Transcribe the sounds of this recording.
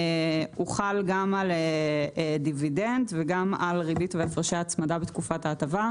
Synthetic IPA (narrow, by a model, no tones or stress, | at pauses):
uχalɡamal | dividendveɡamalʁibitveafaʁʃaat͡smadabetkufataːtava